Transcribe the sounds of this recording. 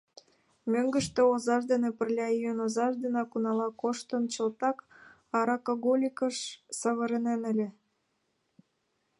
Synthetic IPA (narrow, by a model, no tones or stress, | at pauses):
møŋɡə̆ʃt̪ĕozɑʃd̪enĕpə̆rlʲɑyjənozɑʃd̪enɑkunɑlɑkoʃt̪ənt͡ɕə̆lt̪ɑk | ɑɾɑkoɣolʲikəʃsəβə̆ɾenenə̆lʲĕ